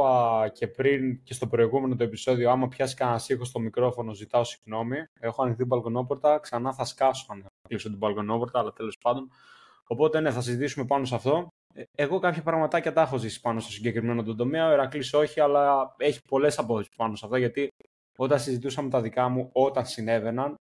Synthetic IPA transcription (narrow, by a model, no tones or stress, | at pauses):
ɐce̞pɾince̞st̪o̞pɾo̞iɣume̞no̞t̪̬o̞e̞piso̞ðioɐmɐpçɐskɐɐsixo̞st̪o̞mikɾo̞fo̞no̞zit̪ɐo̞si̥ɣno̞mie̞xo̞ɐnixt̪ibɐlɡono̞po̞ɾt̪ɐksɐnɐθɐskɐsoɐnɐklisot̪ibɐlɡono̞po̞ɾt̪ɐːlɐt̪e̞lo̞spɐnd̪o̞n | o̞po̞t̪e̞ne̞θɐsizit̪isume̞pɐnosɐft̪o̞ | e̞ɣo̞kɐpçɐpɾɐɣmɐt̪ɐcɐt̪ɐexo̞zisi̥pɐnost̪o̞siɲɟe̞kɾime̞not̪od̪o̞meɐoeɾɐkliso̞çiɐlɐe̞çi̥po̞le̞sɐpoθesi̥pɐno̞sɐft̪ɐʝɐt̪i | o̞t̪ɐnsizit̪̬usɐmet̪ɐðikɐmuo̞t̪ɐnsine̞ve̞nɐn